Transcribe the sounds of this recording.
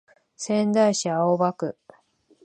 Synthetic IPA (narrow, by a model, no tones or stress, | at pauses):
sẽ̞nd̪aiɕiaobakɯ̟